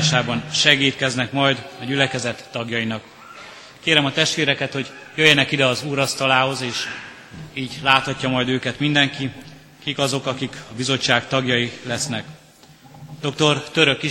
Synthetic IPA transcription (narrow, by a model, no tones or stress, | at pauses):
ʃaːbɒnʃɛɡiːt̪kɛznɛkmɒjd̪ɒɟylɛkɛzɛt̪ːɒɡjɒjinɒk | keːɾɛmɒt̪ɛʃt̪ʋeːɾɛkɛt̪ho̞ɟjøjːɛnɛkid̪ɛɒzuːɾɒst̪ɒlaːɦo̞zeːʃ | iːɟlaːt̪hɒcːɒmɒjd̪øːkɛt̪mind̪ɛŋki | kikɒzo̞kɒkikɒbizo̞t͡ʃːaːkt̪ɒɡjɒjilɛsnɛk | d̪o̞k̚t̪o̞rt̪øɾø̞kːi